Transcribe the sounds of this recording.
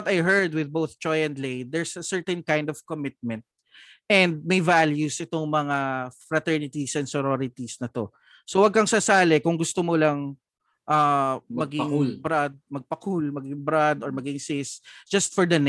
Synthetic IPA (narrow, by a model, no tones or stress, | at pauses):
t̪ɐjɦɛɹd̪wɪð̚bowθd͡ʒ̥ɔjɛ̃nd̪lejd̪ɛɹsɐsɛɹt̪ɛ̃nkãj̃nd̪ɔv̥komɪt̪̚mɛ̃nt̪̚ | ɛ̃nd̪̚mɐjvaljusʔɛt̪oŋmɐŋafɹɐt̪ɛɹnɪt̪isɛnsoɾoɾɪt̪isnɐt̪o̞ | sowɐɡ̚kɐŋsɐsaːlɛkʊŋɡʊst̪omolɐŋ | ʔamɐɡɪŋbɾad̪̚mɐɡ̚pɐkulmɐɡɪŋbɾad̪ɔɹmɐɡɪŋsɪsd͡ʒ̥ɐst̪fɔɹd̪ɐn